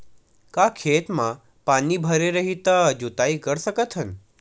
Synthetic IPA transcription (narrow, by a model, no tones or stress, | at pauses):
kakʰet̪mã | panibʱəɾeɾəɦit̪ad͡ʒut̪aikəɾʃəkət̪ʰɦən